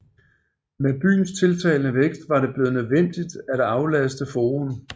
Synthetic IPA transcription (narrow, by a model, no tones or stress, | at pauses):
meb̥y̰ːnst͡sʰe̝lt͡sʰɛ̰ɪlnəʋeɡ̥sd̥ʋɑ̈ɾe̝b̥le̝ːð̩ˠnøðˠʋen̰d̥id̥æd̥ɑ̈ʊlæsd̥əfoːʁɔn